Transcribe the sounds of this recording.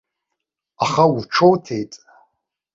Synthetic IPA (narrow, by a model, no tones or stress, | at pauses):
aχauʈ͡ʂʰowtʰejtʼ